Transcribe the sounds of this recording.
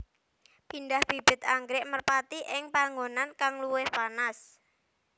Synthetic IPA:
pindahb̥i̤b̥ɪ̤t̪aŋɡɾɪʔmərpat̪iʔɪŋpaŋɡonankaŋluwɪhpanas

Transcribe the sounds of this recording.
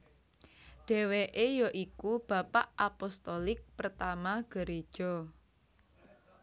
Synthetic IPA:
ɖ̥ɛ̤weʔejɔʔikub̥a̤paʔapɔst̪ɔlɪk̚pərt̪amaɡ̥ə̤ɾe̥ʒ̥ɔ

